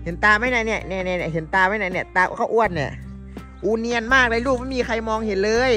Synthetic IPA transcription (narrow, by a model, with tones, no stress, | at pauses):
he˩˦nt̪aː˧maː˧˥˩jna˧˩nɛ˧˩˨nɛː˧˩nɛ˧˩nɛ˧˩ɦe˨˩˦nt̪aː˧ma˧˥˩na˧˥˩nɛ˧˩˨t̪aː˧kw̰kʰa˧˩ʔu˧˩ət̪̚ni˧˩ | ʔuː˧ni˧ənmaː˥˩k̚daː˧luː˥˩k̚ma˥˩miː˧kʰa˧jmɔː˧ŋhe˨˩˦nlɤː˧j